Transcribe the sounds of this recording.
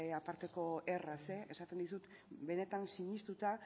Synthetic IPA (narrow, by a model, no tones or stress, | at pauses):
apaɾt̪e̞ko̞e̞raseesat̪end̪isut̪ | be̞ne̞t̪ansiɲist̪ut̪a